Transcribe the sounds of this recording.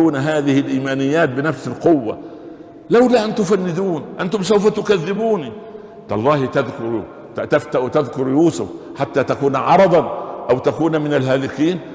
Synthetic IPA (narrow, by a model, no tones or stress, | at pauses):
uːnɦaːðɪhɪlʔiːmaːnɪjːaːt̪̚bɪnafsɪlqʊwːa̰ | lawlaʔant̪ʊfanːɪd̪uːnʔant̪ʊmsawfat̪ʊkaðːɪbuːni | t̪ʔɑlˤːɑːht̪aðkʊɾ | t̪aft̪aʔt̪aðkʊɾjuːsʊ̰fħat̪ːaːt̪akuːnʕɑɾˤɑd̪ˤɑnʔawt̪akuːnmɪnalɦaːlɪkiːn